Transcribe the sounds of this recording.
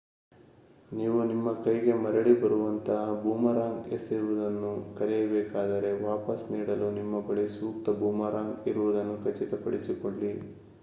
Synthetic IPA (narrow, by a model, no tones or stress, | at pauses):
niːʋunimːɐkɐjɡe̞mɐɾɐɽibɐɾuʋɐnt̪ɐɦɐbuːmɐɾaːŋɡesːiɾuʋud̪ɐnːukɐɾɛjɐbɛːkaːd̪ɐɾe̞ʋaːpɐsniːɽɐlunimːɐbɐɭisuːkt̪ɐbuːmɐɾaːŋɡiɾuʋud̪ɐnːukʰɐt͡ʃit̪ɐpɐɽisikoɳli